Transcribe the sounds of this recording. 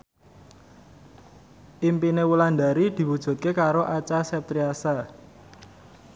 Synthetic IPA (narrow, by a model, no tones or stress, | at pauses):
ʔimpinewuland̪aɾid̪̥i̤wud̥ʒ̥ṳt̪̚kekaɾoʔat͡ʃasɛp̚t̪ɾiasa